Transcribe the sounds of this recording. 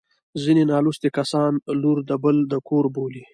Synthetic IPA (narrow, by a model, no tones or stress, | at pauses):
zinenɑlust̪ekasɑnluɾd̪əbəld̪əkoɾboli